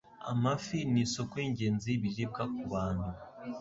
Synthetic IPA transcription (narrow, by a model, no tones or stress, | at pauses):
a̰mafiniso̞koiɲɟeːnziβiɾib̚ɡakuβaːnhu